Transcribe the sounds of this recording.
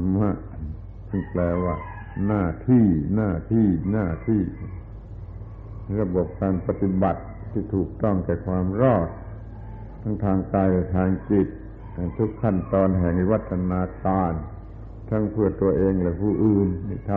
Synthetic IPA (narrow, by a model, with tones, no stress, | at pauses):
ma˧˥˩ʔ | t͡ɕɯ˧˩ŋplɛː˧waː˧˩ | naː˧˥˩t̪ʰiː˥˩naː˧˥˩t̪ʰiː˥˩naː˧˩t̪ʰiː˥˩˧ | ɾa˧bo˨˩p̚kaː˧npa˧t̪i˧˦ba˨˩t̪̚ːʰiː˥˩t̪ʰuː˨˩k̚t̪ɔ˥˩ŋkɛː˨˩kʰwaː˧mɾɔː˥˩t̪̚ʰː | a˦˥ŋt̪ʰaː˧ŋkaː˧jlɛ˧˩t̪ʰaː˧ŋki˨˩t̪̚ | ha˧˩jt̪ʰu˦˥kʰːa˥˩nt̪ɔː˧nɦɛ˨˩ŋi˧wa˦˥t̪ʰːa˧naː˧kaː˧n | t̪ʰa˦˥ŋpʰɯ˥˩ɐt̪u˧ɐʔeː˧ŋlɛː˧˦˥pʰuː˧˥˩ʔɯː˧˩na˧˩t̪ʰa˧